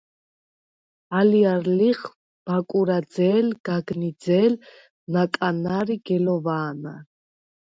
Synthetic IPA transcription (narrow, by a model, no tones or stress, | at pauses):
aliaɾliχ | b̥akʼuɾad̪zɛːlɡ̥aɡnid̪zɛːl | nakʼanaɾiɡɛlɔvaːna̰